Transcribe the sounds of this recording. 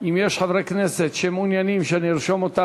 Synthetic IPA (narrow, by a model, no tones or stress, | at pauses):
imjɛʃχavɾekneset̪ʃemunjanimʃeaniɾʃomot̪a